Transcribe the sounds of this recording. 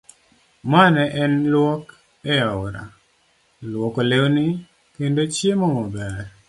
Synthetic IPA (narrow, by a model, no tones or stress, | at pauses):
manɛʔɛnlwɔk | ɛjɔʊɾa̰ | lwɔkolewnɪ | kendot͡ʃjemɔmɔbɛɾ